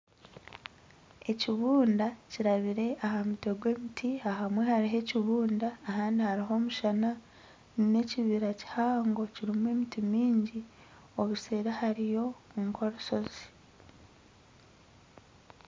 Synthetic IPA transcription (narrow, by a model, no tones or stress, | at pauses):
e̞ciβuːndaciɾaβiɾe̞ʔaɦamute̞ɡwe̞ːmitʰiaɦamwe̞haɾiɦe̞ciβuːndaːɦaːndihaɾiɦo̞ːmuʃana | nne̞ciβiɾaci̥haːŋɡo̞ciɾimuwe̞mitimiːɲɟi | o̞βuse̞ːɾahaɾijo̞ŋkʰo̞ɾuso̞z̥i̥